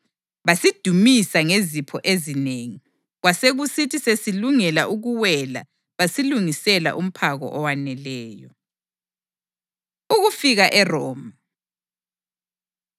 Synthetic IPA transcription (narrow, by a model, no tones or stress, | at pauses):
βasid̥ʱumisaŋezipʰɔʔezineːŋi | ɣwaseɣusitʰisesiluŋɛlaʔuɣuwɛla̰ | βasiluŋisɛla̰ʔum̩pʰaɣɔ̰ʔɔwanɛlɛːjɔ̰ | uɣufiɣaʔɛrɔːma